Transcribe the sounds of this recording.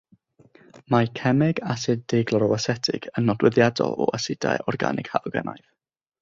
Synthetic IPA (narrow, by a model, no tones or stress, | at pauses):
makʰɛmɛɡasɪdeɡlˠɔɾɔasɛtʰɪ̰ɡ̥ənːɔdwɪðjadɔ̰lˠɔ̰ʔasɪda̰jʔɔrɡa̰nɪɡ̥halɡɛna̰jθ